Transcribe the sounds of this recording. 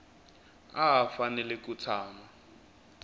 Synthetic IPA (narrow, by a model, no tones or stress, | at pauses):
aɦafanɛlɛk̬ʼut͡sʰaːma